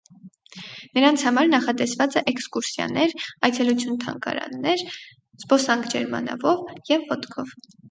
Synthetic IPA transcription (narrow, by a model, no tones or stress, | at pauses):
nəɾɑnt͡sʰhɑmɑɾnɑχɑt̪ɛsvɑt͡sɛʔɛkskuɾsjɑ̰nɛɾɑjt͡sʰɛlut͡sʰjunt̪ʰɑ̰ŋkɑ̰ɾɑ̰nːɛɾ | z̥pɔsɑŋkʰd͡ʒɛɾmɑ̰nɑ̰vɔvjɛvːɔt̪kʰɔv